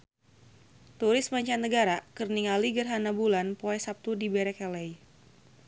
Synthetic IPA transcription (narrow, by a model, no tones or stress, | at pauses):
t̪uɾɪsmaɲt͡ʃanːəɡaɾakərniŋaliɡərɦanabulanpoɛsap̚t̪udibɛɾɛkɛlɛj